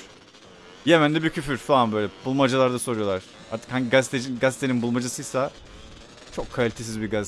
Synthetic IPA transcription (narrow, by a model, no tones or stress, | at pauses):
jemænd̪ɛbicʰyfyɾfaanbø̞jlʲɛbulˠmad͡ʒalˠaɾd̪aso̞ɾujo̞lˠaɾ̥ | a̰ɾt̪ʰɯ̥khaɲɟiɡazt̪ʰed͡ʒinɡazt̪ʰeninbulˠmad͡ʒasɯjsa | t͡ʃʰo̞kʰːalʲit̪ʰesizbiɾɡaz